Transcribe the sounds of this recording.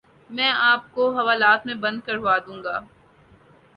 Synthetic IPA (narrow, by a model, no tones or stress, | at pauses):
mɛ̃ːaːp̚koɦɐʋaːlaːt̪mẽbɐ̃nd̪̚kɐɾʋaːd̪ũːŋɡaː